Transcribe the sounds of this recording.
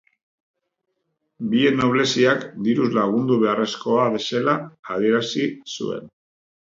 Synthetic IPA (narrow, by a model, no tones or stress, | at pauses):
bie̞nːo̞βle̞siakd̪iɾuzlaɣ̞und̪uβe̞are̞sko̞aβe̞se̞laːð̞ie̞ɾasisṵe̞̰n